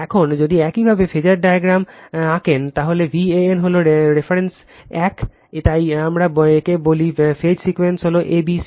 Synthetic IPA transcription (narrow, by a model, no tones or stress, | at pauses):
ɛkʰond͡ʑod̪iɛkibʱabefed͡ʑaɾɖajaɡɾamãkent̪aɦolebieenɦoloɾefaɾens | ɛk | t̪ajamɾabekebolifed͡ʑsikuensɦoloʔebisi